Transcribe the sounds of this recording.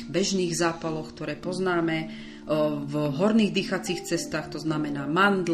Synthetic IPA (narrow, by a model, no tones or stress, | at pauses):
bɛʒniːɣzaːpalɔkt̪ɔɾɛːpɔznaːmɛ | vɦɔɾniːɣd̪iːxat͡siːxt͡sɛst̪aːxt̪ɔznamɛnaːmand̪l